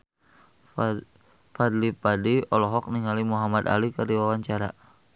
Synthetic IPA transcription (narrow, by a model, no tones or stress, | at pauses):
fad̪lipadiɔlɔɦɔk̚niŋalimuɦamad̪a̰likərdiwawaɲt͡ʃaɾa